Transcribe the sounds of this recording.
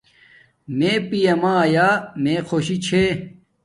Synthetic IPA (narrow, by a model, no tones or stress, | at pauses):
mẽːpijɐmãːjaːmẽkʰoːɕit͡ɕʰe